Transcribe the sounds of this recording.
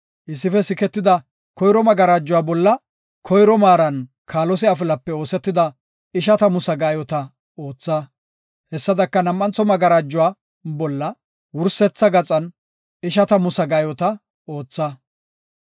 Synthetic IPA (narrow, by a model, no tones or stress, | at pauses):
ʔɪsːɪfɛsɪkɛt̪ːɪd̪ɐ | kɔjɾɔmɐɡɐɾaːd͡ʒːʊwaːbɔlːɐ | kʰɔjɾɔmaːɾɐn | kʰaːlɔs̬ɪɐf̬ɪlɐpːɛo̞ːsɛt̪ːɪd̪ɐ | ɪʃɐt̪ɐmʊsɐɡaːjɔt̪ɐ | o̞ːt͡sːɐ | hɛsːɐd̪ɐkːɐnɐmʔːɐnt͡sɔmɐɡɐɾaːd͡ʒːʊwaː | bɔlːɐ | wʊɾsɛt͡sːɐɡɐt͡sʼɐn | ɪʃɐt̪ɐmʊsɐɡaːjɔt̪ɐ | o̞ːt͡sːɐ